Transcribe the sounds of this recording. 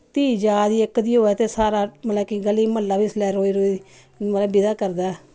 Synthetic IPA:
t̪iːd͡ʒaːd̪iːɪkd̪iːoːɛːt̪eːsaːɾaːmət̪ləbkiɡəliːməlːaːbiːslɛːɾoːiːɾoːi | mələbbɪd̪aːkəɾd̪aːɛ

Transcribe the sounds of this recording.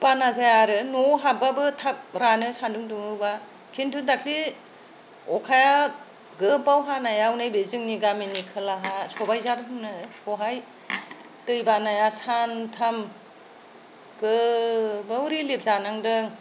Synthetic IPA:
panazajaɾɯnɔɦababɯtʰap̚ɾanɯsanduŋduŋɯwba | kʰintʰundakʰli | ɔkʰaja | ɡɯpawɦanajawnɯjbezɯŋniɡaminikʰɯlaɦasɔbajzadnɯnɯɔɦaj | tɯjbanajasantʰam | ɡɯ | bɯwɾilep̚zanaŋdɯŋ

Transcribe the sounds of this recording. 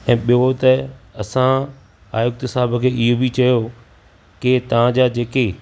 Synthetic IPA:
ɛ̃ːɓijot̪ɐɐsã | a̰ːjʊk̚t̪ɪsaːbəkʰeːɪɦobit͡ɕɐjo | ket̪ɐʋ̤ãd͡ʑaːd͡ʑeːke

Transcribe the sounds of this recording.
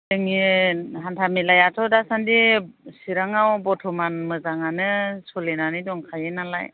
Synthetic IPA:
dɯŋiɦantʰamilajatʰɔdasandisiɾaŋawbɔtʰɔmanmɯzaŋanɯsɔlenanɯjdɔŋkʰajenala̰j

